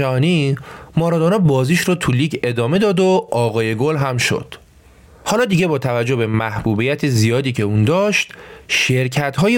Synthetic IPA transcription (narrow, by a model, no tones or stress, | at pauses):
æɦɒːnimɒːɾɒːd̪onɒːbɒːziːʃɾɔt̪ʰuliːcʰe̞d̪ɒːme̞d̪ɒːd̪oɒːɣɒːje̞ɡolɦæmʃo̰d̪̥ | hɒːlɒːd̪iːɟe̞bɒːt̪ʰævæd͡ʒːohbe̞mæhbuːbijæt̪ʰezijɒːd̪iːcʰe̞uːnd̪ɒːʃt̪ʃe̞ɾcʰæt̪ɦɒːje